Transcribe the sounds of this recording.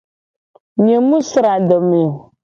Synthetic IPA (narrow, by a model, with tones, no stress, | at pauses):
ɲe˨mũ˦sɨ˨ɾa˨də˨me˨